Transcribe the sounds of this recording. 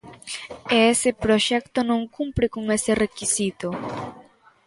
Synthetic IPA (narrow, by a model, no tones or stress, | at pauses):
eesɪpɾoʃɛkt̪onõŋkumpɾɪkoŋesɪrekisit̪o